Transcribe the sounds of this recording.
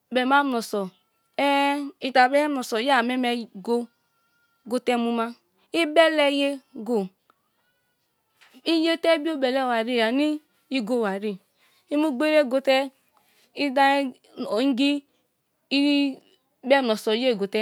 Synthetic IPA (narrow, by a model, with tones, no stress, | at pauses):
bɛ˨ma˦mnɔ˨sɔ˨ | ɛ˦i˨ta˨bɛ˦mnɔ˨sɔ˨ja˦˨mɛ˦mɛ˨ɡo˦ | ɡo˦tɛ˦mu˦ma˦ | i˦bɛ˦lɛ˦je˦ɡo˨ | i˦je˦tɛ˦bi˦o˦bɛ˨lɛ˦˨wa˨ɾi˦˨a˨ni˦ | i˦ɡo˦˨wa˨ɾi˦ | i˦mu˦ɡ͡be˦ɾe˦˨ɡo˦tɛ˦ | i˦da˦ | o˨˦ŋ̩˦ɡi˦ | i˦ | bɛ˦˨mnɔ˨sɔ˨je˦˨ɡo˨tɛ˦